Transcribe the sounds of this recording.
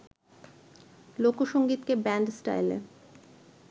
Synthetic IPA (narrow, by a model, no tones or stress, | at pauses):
lokoʃoŋɡit̪kebɛɳɖsʈa̰jlḛ